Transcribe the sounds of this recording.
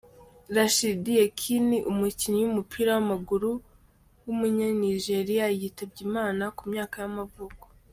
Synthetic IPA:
ɾaʃidije̞kʰiniʔumuciɲijumupʰiːɾawamaɡuɾu | wumuɲaniʒe̞ɾijajitabɟimaːnakumɲaːkajamavuko̥

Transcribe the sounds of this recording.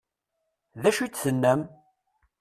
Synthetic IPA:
ðæʃit͡sːθənːəm

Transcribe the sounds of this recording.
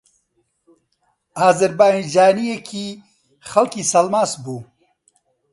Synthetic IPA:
aːzɐɾbaːind͡ʒaːnijekʰi | xɐlkiːsɐlmaːsbu

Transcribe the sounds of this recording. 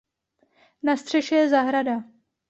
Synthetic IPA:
nast̪r̝̥ɛʃɛjɛzaɦɾada

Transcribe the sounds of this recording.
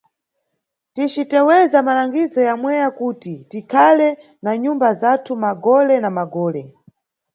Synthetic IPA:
tit͡ʃitɛwɛzamalaŋɡizɔjamwɛjakuːtitikʰalɛ | naɲumbazatʰumaɡɔlɛnamaɡɔːlɛ

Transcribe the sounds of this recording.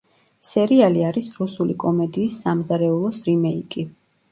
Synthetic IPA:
sɛɾialiaɾisɾusulikʼɔmɛd̪iːsːamzaɾɛulˠɔsɾimɛikʼi

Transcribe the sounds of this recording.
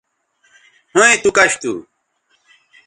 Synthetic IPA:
hũẽt̪ukɐɕt̪ṵː

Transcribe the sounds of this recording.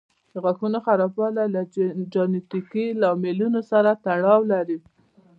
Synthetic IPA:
d̪əɣaxunoxaɾɑpɑlalad͡ʒenet̪ikilɑmelunosaɾat̪aɽɑwlaɾi

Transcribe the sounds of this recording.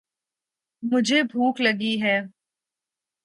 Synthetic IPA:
mʊd͡ʒʱebʱuːklɐɡiɦɛː

